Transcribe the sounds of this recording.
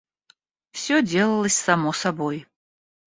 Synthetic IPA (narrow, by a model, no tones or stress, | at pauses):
fsʲodʲelˠəlˠəsʲsamosaboj